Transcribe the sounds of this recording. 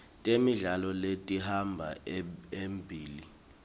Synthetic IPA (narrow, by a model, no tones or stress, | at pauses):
tʼemiɮalɔletʼihambʱa̰embʱiːli